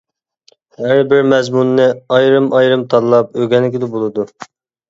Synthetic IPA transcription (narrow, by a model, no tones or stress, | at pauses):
hæɾbɪɾmɛzmunːɪɑjɾɨmʔɑjɾɨmt̪ʰɑllˠɑp̚øɡʲɛnːɪkʲɪd̪ɛbolˠɨd̪u